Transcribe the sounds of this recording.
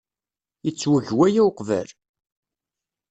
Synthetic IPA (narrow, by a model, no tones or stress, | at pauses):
jət͡sːwəʝwæjæwqvæ̰l